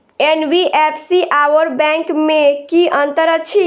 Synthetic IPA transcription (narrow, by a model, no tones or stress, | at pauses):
enbiʔepʰsiʔaʋəɾbɛ̃ŋkmekiʔənt̪əɾət͡ʃʰi